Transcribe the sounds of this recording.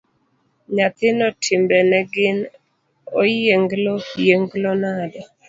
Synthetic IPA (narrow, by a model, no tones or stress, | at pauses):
ɲat̪ɪnɔtʰɪmbɛnɛɡɪn | ojeŋɡlojeŋɡlɔnadɔ